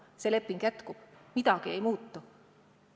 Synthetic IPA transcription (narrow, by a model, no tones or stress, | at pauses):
seːle̞pːˑiŋɡ̥jæt̪kub̥mid̪̥ɑɡ̥ie̞̰jmuːt̪ːu